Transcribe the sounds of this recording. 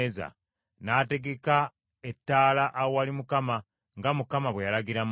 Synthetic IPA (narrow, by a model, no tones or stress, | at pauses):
za̰ | naːte̞ɡe̞ka | etːaːlaʔːwowalimukama | ŋɡamukamaβwejalaɡiɾam